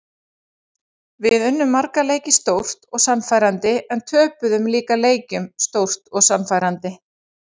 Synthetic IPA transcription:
vɪðʏnːʏmːaɾkaleːjcɪst̪owr̥t̪ɔɣsanfajɾant̪ɪʔɛnt̪ʰœːpʏðʏmliːkaleːjcʏmst̪owr̥t̪ɔɣsamfajɾant̪ɪ

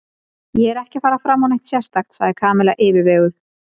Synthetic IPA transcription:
jɛɛɾɛhcɪfaːɾafɾamːawneht̪sjɛr̥st̪axt̪saɣðɪkʰaːmɛlaʔɪːvɪvɛːɣʏθ

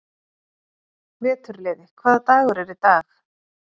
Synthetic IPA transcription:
vɛːt̪ʏɾlɛːðɪkʰv̥aːðat̪aːɣʏɾɛɾɪt̪aːx

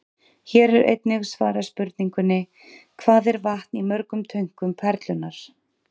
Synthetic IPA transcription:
çɛːɾɛɾʔḛjt̪nɪɣsvaːɾaspʏɾt̪niŋkʏnːɪ | kʰvaːðɛɾvaht̪nimœɾkʏmt̪ʰœɥŋ̥kʏmpʰɛɾt̪lʏnaɾ̥

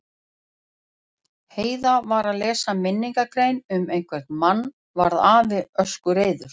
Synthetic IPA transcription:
heːjðavaɾaðlɛːsamɪnːiŋkakɾejnʏmejn̥kʰvɛr̥t̪nmanː | vaɾðaːvɪœskʏɾeːjðʏɾ̥

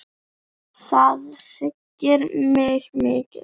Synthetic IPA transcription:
θaðr̥ɪkːɪɾmɪɣmɪːcɪ̰ð

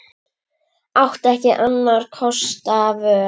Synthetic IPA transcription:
awht̪ɛhcɪʔanːaɾ̥kʰɔst̪avœ

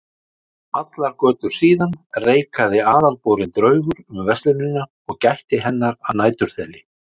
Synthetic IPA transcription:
at̪laɾ̥kœːt̪ʏ̥siːðanreːjkaðɪaːðalpowɾɪnt̪ɾœːɥɣʏɾʏmvɛst̪lʏnɪnːa | ɔɣcajht̪ɪɦɛnːaɾaðnaːjt̪ʏɾ̥θɛːlɪ

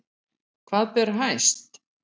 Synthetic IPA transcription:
kʰvaːðpɛɾɦajst̪

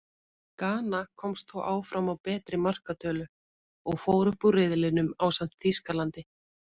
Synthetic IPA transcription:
kaːnakʰɔmst̪θɔwʔaːwfɾamawpɛːt̪ɾɪmar̥kat̪œːlʏ | ɔɣfoːwɾʏhpurɪðɪlɪnʏmawsam̥t̪θiskalant̪ɪ

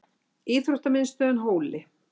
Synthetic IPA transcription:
iːθɾɔht̪amɪnst̪œːðʏnɦoːwlɪ

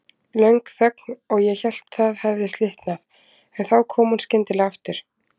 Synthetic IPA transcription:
lœɥŋkθœknɔɣjɛçɛl̥t̪θaðhɛvðɪst̪ɪht̪naθ | ɛnθawkʰɔːmunscɪnt̪ɪlaft̪ʏɾ̥

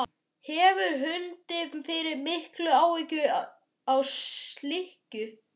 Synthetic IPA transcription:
hɛːvʏɾɦʏnt̪ɪfɪɾɪɾmɪhklʏaːwɪcʏ | awslɪhcʏ

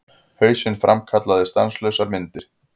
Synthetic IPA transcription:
hœːɥsɪnfɾʔamkʰat̪laðɪst̪a̰nslœɥsaɾmɪnt̪ɪɾ̥

